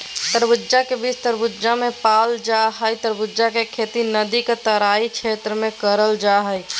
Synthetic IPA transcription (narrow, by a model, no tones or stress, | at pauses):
t̪əɾbuːd͡ʒakebit͡ʃʰt̪əɾbud͡ʒd͡ʒamepald͡ʒaɦəjt̪əɾbud͡ʒakekʰet̪inəd̪iket̪əɾaikt͡ʃʰet̪ɾəmekəɾəld͡ʒaɦəj